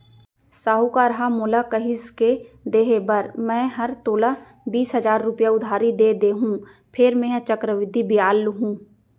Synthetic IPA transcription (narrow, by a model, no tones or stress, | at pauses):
saːɦukaːɾɦamʊːlakəɦɪsked̪eːɦebəɾmɛ̃ːɦɐɾt̪oːla | biːsɦɐzaːɾːʊpjaʊd̪ʱaːɾid̪eːd̪eːɦũː | pʰɪɾmẽːɦt͡ʃəkɾəʋɪd̪ʱibɪjaːlɦũː